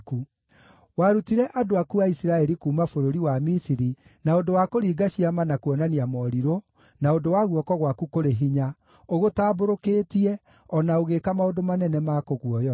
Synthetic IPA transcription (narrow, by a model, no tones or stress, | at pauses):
ku | waɾutiɾɛʔadoakuaisiɾaɛɾikuːmafoɾoɾiwamisiɾi | naondowakoɾiːɡaɕiamanakuɔnaniamɔɾiɾo | naondowaɣuɔkɔɣwakukoɾeɦiɲa | oɣotaːboɾokeːtiɛ | ɔnaoɣekamaondomanɛnɛmakoɣuɔjɔ